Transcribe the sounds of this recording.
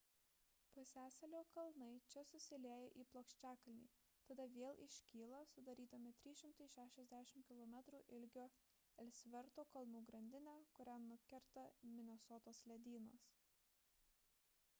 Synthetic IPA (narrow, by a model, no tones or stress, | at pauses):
posʲæːsɐlʲoːkɐlˠnɐɪt͡ʃʲɛsʊsʲɪlʲeːjɛʔiːplˠoːkʃʲt͡ʃʲæːkɐlʲnʲḭːt̪ɐd̪ɐʋʲeːlˠɪʃʲkʲiːlˠɐsʊd̪ɐɾʲiːd̪ɐmʲɪt̪ʲɾʲiːʃʲɪmt̪ɐɪʃʲæːʃʲɛzʲd̪ʲæːʃʲɪmkʲɪlˠɔmʲɛt̪ɾuːʔɪlʲɡʲoː | ɛlʲsʲʋʲɛɾt̪oːkɐlˠnuːɡɾɐnʲd̪ʲɪnʲæːkʊɾʲænʊkʲɛɾt̪ɐmʲɪnʲɛsɔːt̪oːslʲɛd̪ʲiːnoːs